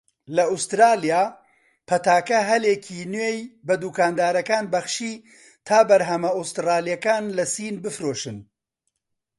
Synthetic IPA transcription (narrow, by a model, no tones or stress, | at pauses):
lɐust̪ɾaːlijaː | pʰɐt̪aːkɐɦɐlecʰinwejbɐd̪ukaːnd̪aːɾɐkaːnbɐxʃiː | t̪ʰaːbɐɾɦɐmɐust̪raːlijɐkaːnlɐsiːnbɨfɾoːʃɨn